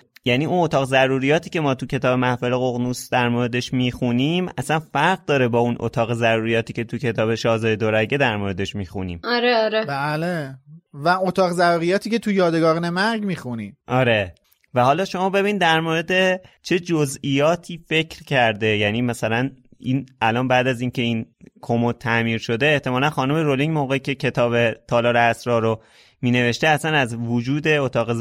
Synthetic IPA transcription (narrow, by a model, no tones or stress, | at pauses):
jæːniːʔunot̪ʰɒːɣzæɾuːɾijɒːt̪ʰiːce̞mɒːt̪ʰucʰe̞t̪ɒːbe̞mæhfeleɣoɣnusd̪æɾmoɾe̞d̪e̞ʃmiːxuniːmæsænfæɾɣ̚d̪ɒːɾe̞bɒːunʔo̰t̪ʰɒːɣezæɾuːɾijɒːt̪iːcʰe̞t̪ʰucʰe̞t̪ʰɒːbe̞ʃɒːzɒːje̞d̪oɾæɟed̪æɾmoːɾe̞d̪e̞ʃmiːxunḭːmɒɾeɒɾebæːlevæot̪ʰɒːɣzæɾuːɾijɒːt̪ʰiːcʰet̪ʰujɒːd̪eɡɒːɾnemæɾɡmiːxunimʔɒːɾe̞ | væhɒːlɒːʃo̞mɒːbe̞biːnid̪æɾmoːɾe̞d̪e̞t͡ʃʰe̞d͡ʒozijɒːt̪ʰiːfe̞cʰɾcʰæɾd̪e̞jæniːmæsælæn | ʔinælɒːnbæːd̪æziːncʰe̞iːnkʰomot̪ʰːæmiːɾʃo̞d̪eːht̪emɒːlænxɒːnume̞ɾoliŋmoɣeicʰe̞cʰe̞t̪ʰɒːbe̞t̪ʰɒːlɒːɾeæsɾɒːɾo | miːne̞ve̞ʃt̪eæsænæzvod͡ʒuːd̪e̞ot̪ʰɒːɣe